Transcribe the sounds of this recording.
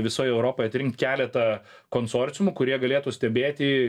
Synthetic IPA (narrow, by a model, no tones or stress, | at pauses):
ʋʲɪsoːjɛʊɾoːpoːjɐt̪ʲɾʲɪŋk̚t̪ʲkʲæːlʲɛt̪ɐ | koːnsoːɾʲt͡ssʲʊmʊkʊɾʲiɛɡɐlʲeːt̪uːsʲt̪ʲɛbʲeːt̪ʲɪ